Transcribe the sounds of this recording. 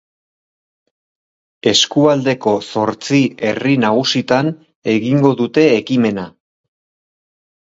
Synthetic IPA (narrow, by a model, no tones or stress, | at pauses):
e̞skuald̪e̞ko̞so̞ɾt͡sie̞̰rinaɣusit̪an | e̞ɣiŋɡo̞ðut̪e̞ːkime̞na